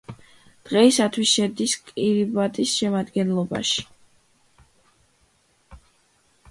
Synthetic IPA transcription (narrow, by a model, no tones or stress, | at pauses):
d̪̥ʁɛisat̪ʰwisʃɛd̪iskʼiɾibat̪ʼisʃɛmad̪ɡɛnlˠɔba̰ʃi̥